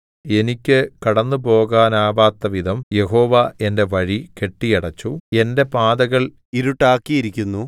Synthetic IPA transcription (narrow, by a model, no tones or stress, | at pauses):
e̞nikʲːɨkɐɽɐnːɨpo̞ːɡaːnaːbaːt̪ːɐʋid̪ʱɐmje̞ɦo̞ːʋɐe̞nde̞ʋɐɻike̞ʈːijɐɽɐt͡ɕːue̞nde̞paːd̪ɐɣɐɭ | iɾuʈːaːkːijiɾikʲːunːu